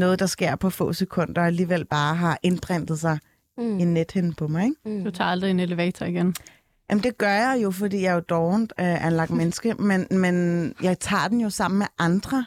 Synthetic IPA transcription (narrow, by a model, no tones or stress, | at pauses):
nɔ̽ːð̞̩ˠd̥ɑ̈sɡ̥e̝ɐ̰pʰɒ̽fɔ̰̽ːsekʰɔ̽n̰d̥ɐæliːʋel̰b̥ɑ̈ːɦɑ̈ʔe̝nb̥ʁɛn̰d̥ð̞̩ˠsɑ̈ɪ | inːed̥hen̩pʰɒ̽mɑ̈ɪeɡ̥d̥ut͡sʰɑ̰̈ɑld̥ʁieneleʋɛ̰ːt͡sʰɐiɡ̥en | jæmn̩d̥e̝ɡ̥ɶɐjɑ̈ɪjo̝fɒd̥ḭːjɑ̈ɪjod̥ɒʊnd̥øʔænlɑ̈ɡ̥̚menəsɡ̥əmenmenjɑ̈ɪt͡sʰɑ̰̈ːd̥en̩jo̝sɑ̈m̰n̩meʔɑ̈nd̥ʁɐ